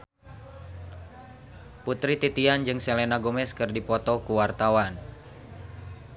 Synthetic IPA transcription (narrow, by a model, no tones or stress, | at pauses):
put̪ɾit̪it̪iand͡ʒɨŋsɛlɛnaɡomɛskɨrdipɔt̪ɔkuwart̪awan